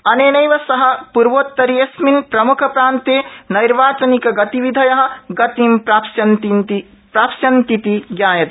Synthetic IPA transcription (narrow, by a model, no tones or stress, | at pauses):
ɐneːnɐjʋɐsɐɦɐ̆puɾʋoːt̪ːɐɾiesminpɾɐmukʰɐpɾaːnt̪enɐjɾʋaːt͡ʃɐnikɐɡɐt̪iʋid̪ʱɐjɐɦɐ̆ɡɐt̪impɾapsɐnt̪int̪i | pɾaːpsjɐnt̪it̪iɡjaːjɐt̪